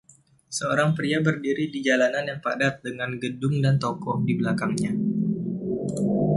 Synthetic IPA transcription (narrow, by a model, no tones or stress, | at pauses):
səoɾaŋpɾiabərdiɾidid͡ʒalananjaŋpadat̪̚dəŋanɡədʊŋdant̪ɔkɔh̚dibəlakaŋɲa